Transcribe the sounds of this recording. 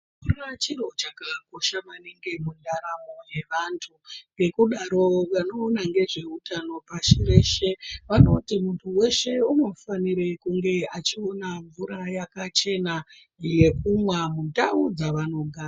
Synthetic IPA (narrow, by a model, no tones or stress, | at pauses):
urat͡ʃirot͡ʃakako̞ʃamaneŋɡe̞munaɾamo̞je̞ʋaːntʰuŋɡe̞kuɗaɾo̞ʋano̞ːnaŋɡe̞ʐe̞utano̞paʃireʃe̞ʋano̞timuntʰuwe̞ʃe̞uno̞faniɾe̞kuŋɡe̞at͡ʃionaɱvuɾajakat͡ʃe̞na | ije̞kumwamundaud͡zaʋano̞ɡʱaːra